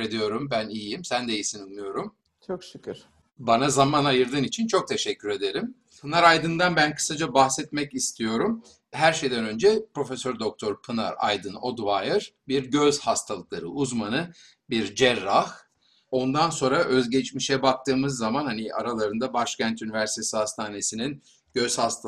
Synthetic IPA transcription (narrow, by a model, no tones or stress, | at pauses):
ɾed̪ijo̞ɾumbænijimsænd̪eijisinɯnːɯjo̞ɾum | t͡ʃʰokʃycʰyɾ | banazamanajɯɾd̪ɯnit͡ʃʰint͡ʃʰo̞k̚t̪ʰe̞ʃɛcʰːyɾe̞d̪e̞ɾim | pʰɯnaɾajd̪ɯnd̪anbænkʰɯ̥sad͡ʒabahsɛt̪̚mɛcist̪ʰijo̞ɾum | ɦæɾʃe̞jd̪ænø̞nd͡ʒɛpɾo̞fesø̞ɾd̪o̞k̚t̪ʰo̞ɾpʰɯna̰ɾa̰jd̪ɯno̞̰d̪vajɯɾbiɾɟøz̥hast̪ʰalˠɯklˠaɾɯ̰ʔuzmanɯ | biɾd͡ʒɛɾːah | o̞nd̪anso̞nɾaʔø̞zɟet͡ʃmiʃɛbak̚t̪ʰɯːmɯzːamanhaniʔa̰ɾalˠaɾɯnd̪abaʃcænt̪ynivæɾsi̥t̪ʰesihast̪ʰaːne̞sinin | ɟø̞z̥hast̪ʰ